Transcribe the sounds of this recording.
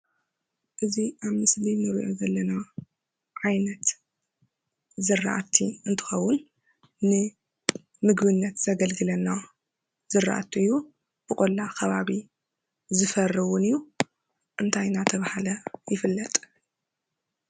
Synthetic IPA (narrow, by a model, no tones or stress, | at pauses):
ʔɨziʔaβmɨslinɨɾḭʔo̞zɐlːɐna | ʕajnɐt̪ | zɨrːa̰ʔat̪ʰːiɨnt̪ʰɨ̥xɐwːʊn | nɨ | mɨɡbɨnːɐt̪z̥ɐɡɐlɡɨlɐnːa | z̥ɨrːa̰ʔa̰t̪ʰuɨjːu | b̥ɨkʼolːakʰɐβaβi | zɨfɐrːɨwʊnɨjːu | ʔɨnt̪ʰajnat̪ʰɐβahalɐjɪfɨlːɐt̪ʼ